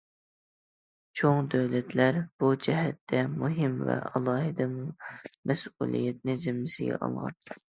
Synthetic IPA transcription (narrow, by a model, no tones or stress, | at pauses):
t͡ʃʰoŋd̪øwlɛt̪ʰlæɾb̥ud͡ʒɛɦɛt̪ʰːɛmuɦɪmvɛ̰ɑlˠɑːɦɨd̪ɨmumɛsṵlˠḭjɛt̪̚nɪzɪmːɪsɪɡʲɛ̰ʔɑ̰lˠʁɑ̰n